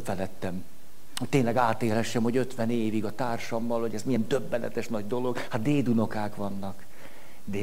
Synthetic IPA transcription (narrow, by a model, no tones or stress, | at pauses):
fɛlɛt̪ːɛm | oeːnlɛɡaːt̪eːlɦɛʃːɛmho̞ɟø̞t̪ʋɛneːviɡɒt̪aːrʃɒmːɒlho̞ɟɛzmijɛnd̪øbːɛnɛ̰t̪ɛʃnɒɟ̚d̪o̞lo̞ɡ̥hat̪d̪eːd̪uno̞kaːkʋɒnːɒk | d̪e